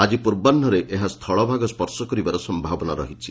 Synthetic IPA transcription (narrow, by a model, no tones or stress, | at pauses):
ad͡ʒipuɾbanʱɔɾeʔeɦast̪ʰɔɭɔbʱaɡɔspɔɾsɔkɔɾibaɾɔsɔmbʱabɔnaɾɔɦit͡ʃʰi